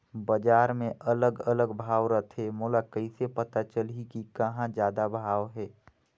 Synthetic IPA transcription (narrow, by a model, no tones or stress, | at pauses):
bəd͡ʒaːɾmẽʔələɡələɡbʱaːwɾət̪ʰɦemʊːlakəɪsepət̪at͡ʃəlikikəɦãd͡ʒjaːd̪abʱaːʋɦɛː